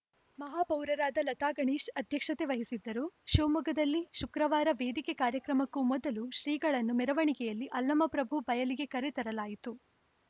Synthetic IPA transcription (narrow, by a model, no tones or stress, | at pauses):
mɐɦaːpɐwɾɐɾaːd̪ɐlɐt̪aːɡɐɳiːʃʈɐd̪ʱjɐkʂɐt̪eʋɐɦisid̪ːɐɾuʃuːmuɡɐd̪ɐlːiʃukɾɐʋaːɾɐʋeːd̪ikekaːɾjɐkɾɐmɐkːumɔd̪ɐluʃɾiːɡɐɭɐnːumɛɾɐʋɐɳikɛjɐlːiʔɐlːɐmɐpɾɐbʱubɐjɐliɡe̞kɐɾet̪ɐɾɐlaːjit̪u